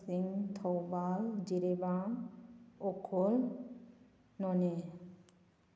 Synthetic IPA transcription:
siŋt̪ʰɔwbald͡ʑiɾeba | okʰol | nɔne

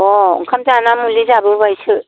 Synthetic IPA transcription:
ɔ̰ŋkʰamzanamulizabɯbajsɯ

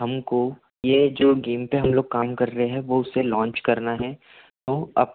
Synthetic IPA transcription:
ɦɐmko | jed͡ʒoːɡeːmpeɦɐmloːɡ̚kaːmkɐɾːɐɦeɦɛ̃ʋoʊselɔ̃ːɲt͡ʃkɐɾnaɦɛ̃ | t̪oːɐ̰p

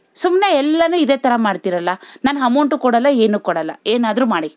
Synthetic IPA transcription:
sumneɛlːɐnuːid̪eːt̪ɐɾɐmaːɽt̪iɾɐlːɐnaːnɦɐmuɳʈukɔɽɐlːɐeːnuːkɔɽɐlːɐeːnaːd̪ɾuːmaːɽi

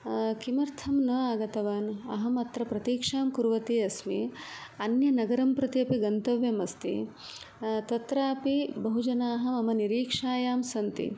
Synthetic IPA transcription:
kimɐɾt̪ʰɐmnɐaːɡɐt̪ɐʋaːnɐ̰ɦɐmɐt̪ɾɐpɾɐt̪iːkʂaːmkuɾʋɐt̪iːɐsmḭɐnjɐnɐɡɐɾɐmpɾɐt̪iɐpiɡɐnt̪ɐʋjɐmɐst̪ḭ | t̪ɐt̪ɾaːpibɐɦud͡ʒɐnaːɦɐmɐmɐniɾiːkʂaːjaːmsɐnt̪ḭ

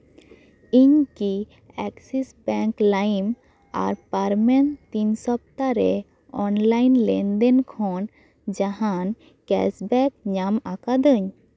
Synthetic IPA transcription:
iɲki | ɛksisbɛ̃ŋklajim | a̰ɾpaɾmɛnt̪insɔp̚t̪aɾɛ | ɔnlajnlɛnd̪ɛnkʰɔn | d͡ʒaɦãn | kɛ̰sbɛk̚ɲamakad̪əɲ

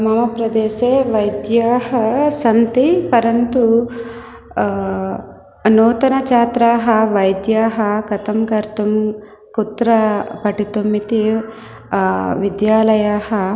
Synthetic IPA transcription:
mɐmɐpɾɐd̪eːʃeːʋɐjd̪jaːɦɐsɐnt̪ipɐɾɐnt̪u | noːt̪ɐnɐt͡ʃaːt̪ɾaːɦɐʋɐjd̪jaːɦɐkɐt̪ɐmkɐɾt̪um | kut̪ɾɐpɐʈit̪omːit̪i | ʋid̪jaːlɐjaːhɐ

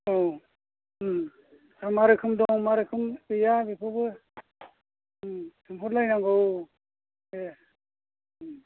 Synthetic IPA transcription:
ow | amaɾɯkʰɯmdɔŋmaɾɯkʰɯmɯjabipʰɯbɯ | tʰɯmpʰuɾlajnaŋɡow | e

